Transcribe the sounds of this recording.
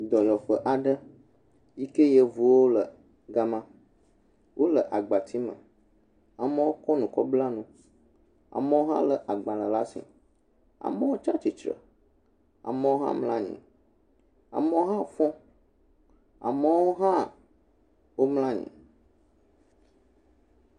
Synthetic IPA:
d̪ɔ˨jɔ˨ɸə˦ʔa˨ɖə˦ | ji˦ke˦jə˦vu˨˦wo˦lə˨ | ɡa˦mã˦ | wʔo˦lə˨ʔa˨ɡ͡ba˨t̪ʰi˦mə̰̃˨ | a˨mə̃˦wo˦kɔ˦nũ˨kɔ˦bla˦nũ˦ | a̰˨mə̃˦wo˦ɦã̰˦lə˨ʔa˨ɡ͡bã˨lə˨la˦sḭ˨ | a̰˨mə˦wo˦t͡ʃa˦t͡ʃi˨t͡ʃɾə̰˨ | a̰˨mə˦wo˦ɦã̰˦mlã˦ɲḭ̃˨ | a̰˨mə̃˦o˦ɦã˦˨fɔ̃˦ | a̰˨mə̃˦wo˦ɦã˦˨ | wo˦mlã˦ɲḭ̃˨

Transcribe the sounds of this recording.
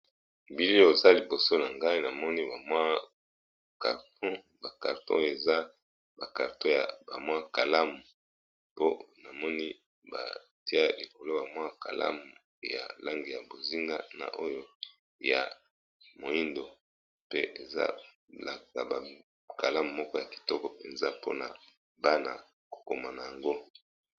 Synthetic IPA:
bi˦li˦o˨za˦li˨bo˨so˦na˨ŋɡa˦i˦na˨mɔ˦ni˦ba˨mwa˦ | ka̰˨ʁtɔ̃˦ | ba˨ka˨ʁtɔ̰̃˦˨e˨za˦ | ba˨ka˨ʁtõ˦ja˨ba˨mwa˦ka˨la˦mu˨ | po˦na˨mɔ˦ni˦ | ba̰˨ | ti˦a˦li˨ko˨lo˦ba˨mwa˦ka̰˨la̰˦mu˨ | ja̰˨la˦ŋɡi˨ja˨bo˨zi˦ŋɡa˦na̰˨ʔo˦jo˦ | ja˨ | mo˨i˦ndo˨ | pe˦ʔe˨za̰˦ | la˦ta̰˨ba˨ | ka˨la˦mu˨mɔ˦kɔ˦ja˨ki̥˨tɔ˦kɔ˦pe˨nza˦po̰˦na̰˨ | ba˦na̰˨ | ko̥˨ko˨ma˨na˨ja˨ŋɡo˦

